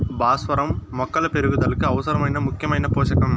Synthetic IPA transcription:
baːsʋɐɾɐmːɔkːɐlɐpeɾuɡud̪ɐlɐkɯɐʋɐsɐɾɐmɐjnɐmukʰjɐmɐjnɐpoːʃɐkɐm

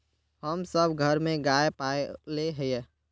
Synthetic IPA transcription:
həmsəbʱɡʱəɾmẽɡaːepaleɦɛjɛ

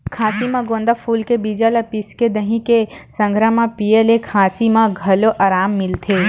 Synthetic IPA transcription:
kʰaːsimãɡõːnd̪əpʰuːlkebiːd͡ʒaləpɪsked̪əɦĩkesə̃ŋɡʱɾəmãpijelekʰaːsimãɡʱɐloʔaːɾaːmːɪlt̪ʰe

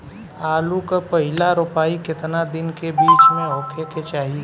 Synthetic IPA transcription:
aːlukapəɦɪlaɾʊpaːikɪt̪nad̪ɪnkebiːt͡ʃmẽɔːkʰeket͡ʃaːɦie

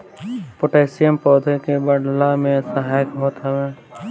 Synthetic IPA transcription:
pʊʈeːsijəmpɔːd̪ekebɐɽlamẽɛsaɦɛːkɦoːt̪awɛː

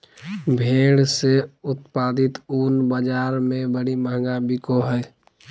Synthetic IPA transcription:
bʱeːɽseʊt̪paːd̪ɪt̪unbəd͡ʒaːɾmẽbəɽiməɦɡabikoɦɛː

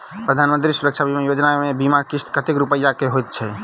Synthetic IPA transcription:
pɾəd̪ʱanmənt̪ɾisuɾək̚t͡ʃʰabʱimejod͡ʒnamebimakist̪kət̪ekɾupəjːakeɦojt̪̚t͡ʃʰɛ

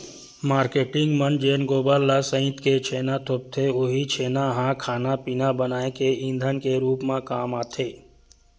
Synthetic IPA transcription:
maːɾkeːʈɪ̃ŋɡmənd͡ʒeːnɡoːbəlːəsə̃ɪ̃t̪ket͡ʃʰeːnat̪ʰʊp̚t̪ʰeʊɦit͡ʃʰeːnaɦãːkʰaːnapiːnabənaːekeĩnd̪ʱənkeɾuːpmãkaːmaːt̪ʰeː

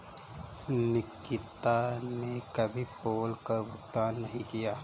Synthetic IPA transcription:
nɪkːɪt̪anekɐbʱipoːlkɐɾʋʊɡt̪aːnːɐɦĩkijaː

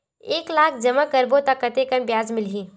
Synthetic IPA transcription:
eːklaːkʰd͡ʒɐmakɐɾbot̪ɐkːɐt̪ekənbjaːzmɪlɦĩː

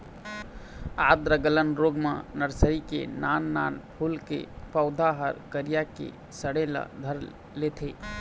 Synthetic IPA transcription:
ad̪ɾəɡələnɾoɡma̰nəɾsəɾikḛnanːanpʰulkḛpəʊd̪ʱaɦəɾkəɾijakḛ | səɽela̰d̪ʱəɾ | let̪ʰe

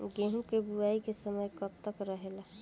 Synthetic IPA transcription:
ɡẽɦũkebuaikesəməjkəb̚t̪əkɾəɦela

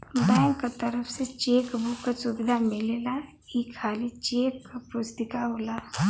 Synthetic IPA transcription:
ɖajŋkat̪əɾəfset͡ʃeːkbukːasubɪd̪ʱamɪlela | iːkʰːaːlit͡ʃeːkːapʊst̪ɪkaɦoːla

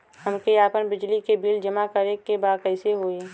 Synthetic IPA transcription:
həmkeaːpənbɪd͡ʒlikebiːld͡ʒəmakəɾekːebaːd̪̚kɛɪseɦoːe

